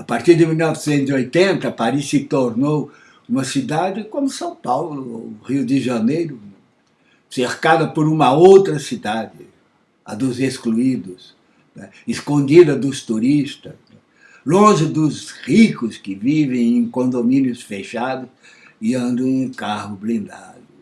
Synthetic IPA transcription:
apaɾt̪iɾd̪ɪmilnɔvɪsẽnt̪ʊziojt̪ẽnt̪ɐpaɾisɪt̪oɾnow | ũmɐsid̪ad̪ɪkõmʊsɐ̃w̃pawlʊʁiʊd̪ɪʒɐnejɾʊ | seɾkad̪ɐpoɾũmɐowt̪ɾɐsid̪ad̪ɪ | ɐd̪ʊzeskluid̪ʊs | nɛ | ɪskõnd͡ʒ̪id̪ɐd̪ʊst̪uɾist̪ɐs | ɛ | lõʒɪd̪ʊzʁikʊskɪvivẽj̃ẽj̃kõnd̪omĩnjʊsfeʃad̪ʊs | ɪɐ̃nd̪ɐ̃ũkahʊblĩnd̪a̰d̪ʊ

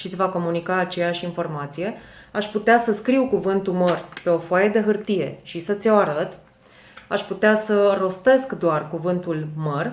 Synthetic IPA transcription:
ʃit̪sʲvako̞munikaːt͡ʃe̞jaʃinfo̞rmat̪sije̞aʃput̪easəskɾiwkuvɨnt̪umərpe̞o̞foajed̪e̞ɦɨrt̪ije̞̰ʃisət̪sʲoaɾət̪ | aʃput̪easəro̞st̪e̞skd̪oarkuvɨnt̪ulmər

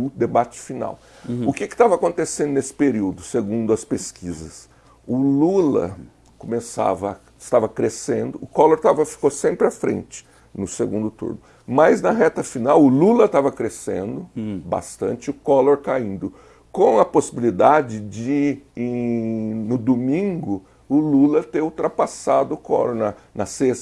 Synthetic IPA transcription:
ʊd̪ebat͡ʃɪ̥fina̰w | ʊkɪkɪ̥t̪avɐakõnt̪esẽnd̪ʊnesɪ̥peɾiwd̪ʊseɡũnd̪ʊɐspeskʰizɐs | ʊlulɐ̰ | komesa̰vɐ | ɪst̪avɐkɾesẽnd̪ʊʊkɔloɾt̪avɐfi̥kosẽmpɾɪafɾḛ̃nt͡ʃɪ̥ | nʊseɡũnd̪ʊt̪ṵɾnʊ | mɐznɐɦɛt̪ɐfinawʊlulɐt̪avɐkɾesḛ̃nd̪ʊba̰st̪ɐ̰̃nt͡ʃɪʊkɔloɾkaĩnd̪ʊ | kõw̃ɐposibilid̪ad͡ʒɪd͡ʒɪẽ | nʊd̪omĩŋɡʊ | ʊlulɐt̪eɾut̪ɾapasad̪ʊʊkɔ̰loɾnɐnɐses

